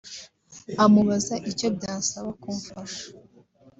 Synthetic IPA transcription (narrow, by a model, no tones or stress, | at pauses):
amuβazaʔicob̚ɟaːsaβakuɱfaʃḁ